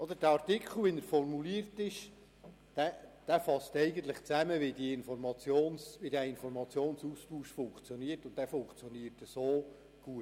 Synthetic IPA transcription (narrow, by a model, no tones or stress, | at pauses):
ɔdəɾdæɑrtɪkʰl̩ˠʋɪnəɾfɔrmuliəɾtɪʃ | d̥æd̥æfɑstɛɪɡən̩t̪lɪχt͡sæməʋɪdiɪnfɔrmɑt͡sjoːnsʋɪdæɪnfɔɾmɑt͡sjoːnsuspuːʃfʊŋkt͡sjɔniəɾtʊntd̥æfʊŋkt͡sjɔniətəsoː | ɡ̥uət